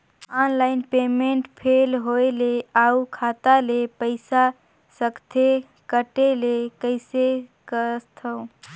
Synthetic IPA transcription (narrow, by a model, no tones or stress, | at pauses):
ɔnlaɪnpemeɳʈpʰelɦoeleaukʰat̪alepəɪsa | səkt̪ʰe | kəʈelekəɪsekəst̪ʰə̃